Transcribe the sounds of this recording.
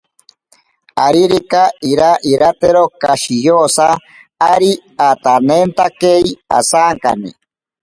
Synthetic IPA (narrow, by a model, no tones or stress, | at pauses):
aɾiɾikaiɾaʔiɾat̪eɾokaʃijosaː | ɾiat̪anent̪akeia̰saːŋka̰nḭ